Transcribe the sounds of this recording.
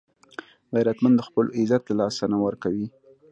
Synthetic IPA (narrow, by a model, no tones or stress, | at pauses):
ɣajɾat̪mand̪əxpəlɪzat̪lalɑsanawəɾkawi